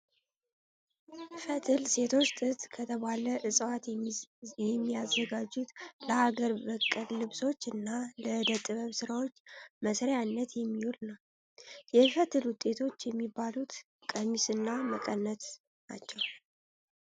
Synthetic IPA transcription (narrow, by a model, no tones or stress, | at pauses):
fət̪ʰɨlse̞t̪ʰo̞t͡ʃt̪ʼɨt̪ʼkʰət̪ʰəβaləʔɨsʼwat̪ | jɛmːiazːəɡad͡ʒut̪ləhaɡəɾbəkʼːəllɨβso̞t͡ʃːɨnːaləd̪ət̪ʼɨβəβsɨɾawo̞t͡ʃːməsɾeanːət̪jɛmːihulnəw | jɛfət̪ʰɨlwʊt̪ʼːe̞t̪ʰo̞t͡ʃːjɛmːibːalut̪ | kʼəmisɨnːaməkʼənːət̪ | na̰t͡ʃːɛw